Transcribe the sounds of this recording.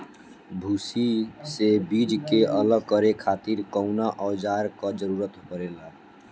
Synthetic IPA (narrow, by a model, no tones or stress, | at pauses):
bʱusisebid͡ʒkeʔələɡ̚kəɾekʰat̪iɾkəʊnaʔɔwd͡ʒaɾkɔd͡ʒəɾuɾət̪ɦəɾela